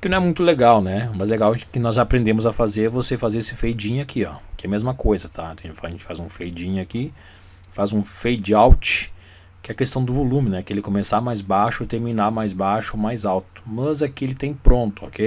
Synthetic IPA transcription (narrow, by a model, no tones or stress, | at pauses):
kɪnɐ̃w̃ɛmũj̃t̪ʊleɡawnɛmɐzɛleɡawkɪnɔzapɾẽnd̪ẽmʊzɐfazeɾvosefazeɾesɪfejd͡ʒĩɲʊakiɔ̰kɪɛɐmezmɐkojzɐt̪ʰaẽd͡ʒfaʒẽnt͡ʃɪ̥fa̰zũfejd͡ʒĩɲʊaki | fazũfejd͡ʒɪawt͡ʃɪ̥ | kɪɛɐkest̪ɐ̃w̃d̪ʊvolũmɪnɛkɪelɪkomesamajzbaʃʊt̪eɾminamajzbaʃʊomajzawt̪ʊ̥mɐzɐkielɪt̪ẽj̃pɾõnt̪ʊo̰kej